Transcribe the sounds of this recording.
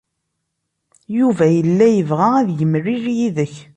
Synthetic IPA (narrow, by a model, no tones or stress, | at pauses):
juvæjəlːæjəvʁaæðjəmrːiɾjiðəç